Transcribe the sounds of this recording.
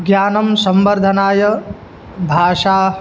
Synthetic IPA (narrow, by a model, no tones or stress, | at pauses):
ɡjaːnɐmsɐmbɐɾd̪ʱɐnaːjɐ | bʱaːʂaː